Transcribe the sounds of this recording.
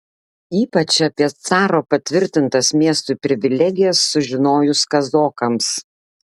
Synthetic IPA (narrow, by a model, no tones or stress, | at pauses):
iːpɐt͡ʃɐpʲiɛt̪sɑːɾoːpɐt̪ʲʋʲɪɾʲt̪ʲɪnt̪ɐsmʲiɛst̪uˑpʲɾʲɪʋʲɪlʲɛɡʲɪjɛsːʊʒʲɪnoːjʊskɐzoːkɐms